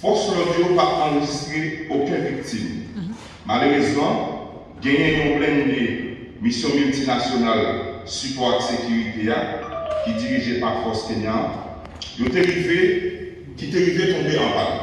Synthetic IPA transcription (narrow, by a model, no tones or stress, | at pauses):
fɔʁslɔʁjopaʔɑ̃ʁeʒist̪ʁeokɛ̃vik̚t̪im | maløʁezmɑ̃ | ɡɛ̃jɛ̃jɔ̃blɛ̃ne | misjɔ̃mylt̪inasjonalsypɔʁaksekyʁit̪eakid͡ziʁiʒepaʁfɔʁskeɲã | jot̪eʁive | kit̪eʁivet̪ɔ̃beʔɑ̃ba̰l